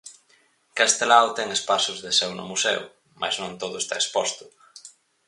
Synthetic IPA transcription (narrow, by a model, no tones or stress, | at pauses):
kast̪elawt̪ɛŋespasʊzðesewnʊ̰musḛw | mʔa̰znõŋt̪oðʊest̪a̰espost̪ʊ̥